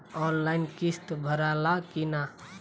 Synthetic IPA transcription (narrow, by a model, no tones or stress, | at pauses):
ɔnlaɪnkist̪bʱəɾalakina